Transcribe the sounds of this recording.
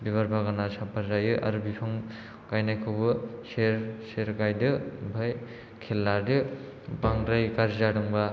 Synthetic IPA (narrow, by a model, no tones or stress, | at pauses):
biβaɾbaɡanasapʰaɾzajɯʔaɾubipʰɯŋ | ɡ̥ajnajkʰɯbɯseɾseɾɡajdɯbʱɯj | kʰelːadɯ | baŋɾɯjkaɾzadɯŋba